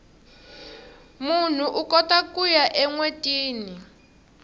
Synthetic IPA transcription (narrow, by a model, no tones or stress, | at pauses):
mun̤uʔukɔtakujaʔɛŋwetʼiːni